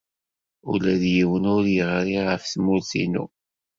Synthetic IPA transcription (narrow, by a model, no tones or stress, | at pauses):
ʊ̰læðjiwənʊɾjəʁɾiʁəfθmulθḭnṵ